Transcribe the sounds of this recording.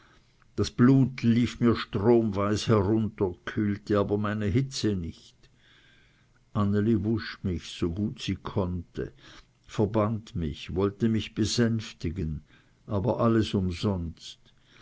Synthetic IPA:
d̥asb̥luːtʰliːfmiːɐʃtʁ̥oːmvaɪshɛʁʊntɐkʰyːltəaːbɐmaɪnəɦɪt͡sənɪçt | ʔanəlivʊʃmɪçsoːɡuːtsiːkʰɔntə̰ | fɛɐbandmɪçvɔltəmɪçb̥əzɛnftɪɡən | ʔaːbɐʔaləsʊmzɔnst

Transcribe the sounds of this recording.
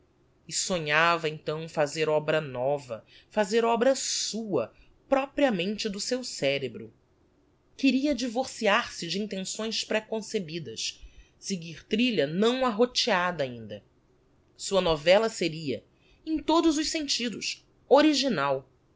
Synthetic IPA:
ɪsoɲavɐẽt̪ɐ̃w̃fazeɾɔbɾɐnɔvɐ̰ | fazeɾɔbɾɐsuɐ | pɾɔpɾiɐmẽnt͡ʃɪd̪ʊsewsɛɾebɾʊ | kɪɾiɐd͡ʒivoɾsiaɾsɪd͡ʒɪĩt̪ẽsõj̃spɾekõsebid̪ɐs | sɪɡiɾt̪ɾiʎɐnɐ̃w̃aɦot͡ʃiad̪ɐaĩnd̪ɐ | suɐnɔvɛlɐseɾiɐ | ẽj̃t̪od̪ʊzʊʃsẽnt͡ʃid̪ʊs | oɾiʒinaw

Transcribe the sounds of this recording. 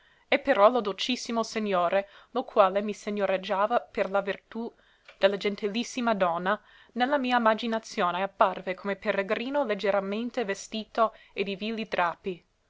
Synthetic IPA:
ɛpeɾɔlod̪olt͡ʃisːimoseɲoːɾelokʰwaːlemiseɲːoɾed͡ʒːaːvaperlavirt̪u | d̪̥elːad͡ʒɛnt̪ilisːimad̪ɔnːa | nelːamiːaimad͡ʒinat̪sjoːneapːarvekʰomepereɡɾiːnoled͡ʒːeɾament̪evest̪iːt̪o | ed̪ivilːit̪ɾaːpi

